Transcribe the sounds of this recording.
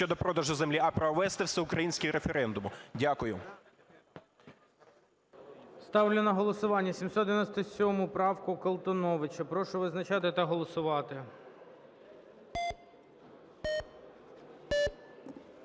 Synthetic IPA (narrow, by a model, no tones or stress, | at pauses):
ɔd̪ɔpɾɔd̪ɐʒʊzemlʲiɐpɾɔʋɛst̪ɛwsɛʊkɾɐjinʲsʲkʲɪɾefeɾɛnd̪ʊmʊdʲakʊjʊ | st̪ɑwlʲʊnɐɦɔlˠɔsʊʋɑnʲːɐsʲimsɔt̪d̪ɪʋɪnɔsʲt̪ɔsʲɔmʊpɾɑwkʊkɐlˠt̪ɔnɔʋɪt͡ʃɐpɾɔʃʊʋɪznɐt͡ʃɑt̪ɪt̪ɐɦɔlˠɔsʊʋɑt̪ɪ